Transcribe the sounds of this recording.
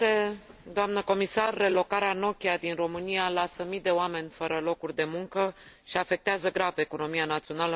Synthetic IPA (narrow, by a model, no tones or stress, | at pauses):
e | d̪oamnəko̞misarːe̞lo̞kaɾeano̞kʲiad̪inro̞mɨnijalasəmid̪e̞oame̞nʲfəɾəlo̞kurʲd̪e̞muŋkəʃiafe̞k̚t̪eazəɡɾave̞ko̞no̞mianat̪sio̞nalə